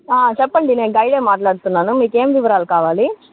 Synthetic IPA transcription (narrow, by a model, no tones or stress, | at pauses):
aːt͡ʃɛpːɐɳɖineːnɡɐjɽeːmaːʈlaːɽut̪unːaːnumiːke̞ːmʋiʋɐɾaːlukaːʋaːli